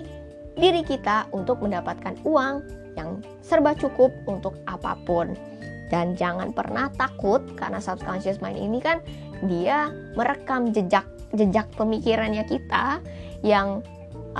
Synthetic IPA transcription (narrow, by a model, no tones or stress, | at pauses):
diɾikit̪aʔunt̪ʊk̚məndapat̪̚kanuaŋ | jaŋ | sərbat͡ʃukʊp̚unt̪ʊk̚ʔapa̰pʊn | dand͡ʒaŋanpə̰rnaht̪akʊt̪̚ka̰rnasapst̪ansasmaɪnḭnikan | dia | məɾəkamd͡ʒəd͡ʒak̚ | d͡ʒəd͡ʒak̚pəmikiɾanɲakit̪ajaŋ